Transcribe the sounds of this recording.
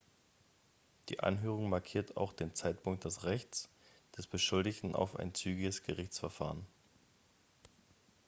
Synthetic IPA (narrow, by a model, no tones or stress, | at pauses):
d̥ḭːʔa̰nɦøːʁ̞ʊŋmaɐkʰiːɐtʰa̰ʊxd̥eːnt͡saɪtpʊŋk̚t̚d̥ɛsʁɛçt͡s | d̥ɛsb̥əʃʊldɪçtn̩a̰ʊfa̰ɪnt͡syːɡɪɡəsɡ̥əʁɪçt͡sfɛɐfa̰ːʁən